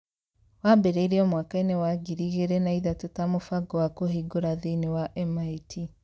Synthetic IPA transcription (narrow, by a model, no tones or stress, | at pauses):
wabɛɾeiɾiɔmwaːkaenewaɡiɾiɣeɾenaiðatotamofaɡɔwakoɦiɡoɾaðenewaʔɛmaitʰi